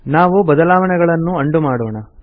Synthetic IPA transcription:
naːʋubɐd̪ɐlaːʋɐɳɛɡɐɭɐnːuɐɳɖumaːɽoːɳɐ

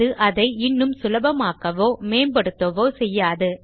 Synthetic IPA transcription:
ɯʔɐðɐɪɪnːɯmsʊlɐbɐmaːkɐʋoːmeːmbɐɽɯt̪ːɐʋoːsɛjːaːðɯ

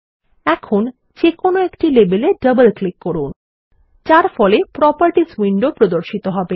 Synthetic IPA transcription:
ɛkʰon | t͡ɕekonoekʈilebeleɖəbəlklikːɔɾun | t͡ɕaɾfɔlepɾɔpəɾʈiswiɳɖopɾod̪oɾʃit̪oɦɔbe

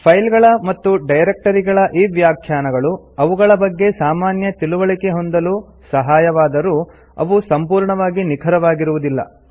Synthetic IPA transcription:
pʰɐjlɡɐɭɐmɐt̪ːuɖɐjɾek̚ʈɐɾiɡɐɭɐʔiːʋjaːkʰjaːnɐɡɐɭu | ɐʋuɡɐɭɐbɐɡːe̞saːmaːnjɐt̪iluʋɐɭike̞ɦo̞nd̪ɐlu | sɐɦaːjɐʋaːd̪ɐɾu | ɐ̰ʋusɐmpuːɾɳɐʋaːɡinikʰɐɾɐʋaːɡiɾuʋud̪ilːɐ̰

